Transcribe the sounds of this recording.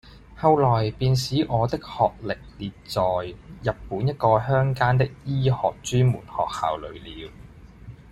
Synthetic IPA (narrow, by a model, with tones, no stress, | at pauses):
hɐ˧wlɔː˨˩jpiː˧ns̬iː˨˥ŋɔː˨˧t̪ɪ˥k̚hɔː˨k̚lɪ˨k̚liː˨tt͡sɔː˨jjɐ˨t̚pːuː˨˥njɐ˥t̚kɔː˧hœː˥ŋkaː˥nt̪̬ɪ˥k̚jiː˥hɔ̰ː˨k̚t͡ʃyː˥nmṵː˨˩nhɔ̰ː˨k̚ha̰ː˨wlɵ̰˨˧˥ɥliː˨˧w